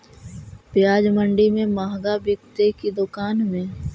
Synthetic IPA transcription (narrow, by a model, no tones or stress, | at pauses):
pɪjaːd͡ʒmə̃ɳɖimẽmaːɦɡabɪkt̪ekid̪ʊkaːnmẽː